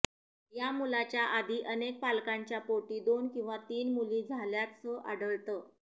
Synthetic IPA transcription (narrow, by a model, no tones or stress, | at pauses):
jamulat͡ɕjaʔad̪ʱiːʔənek̚palkaɲt͡ɕjapoʈiːd̪onkĩw̃ʋat̪iːnmulĩːd͡zʱaljasəʔaɽəɭt̪əː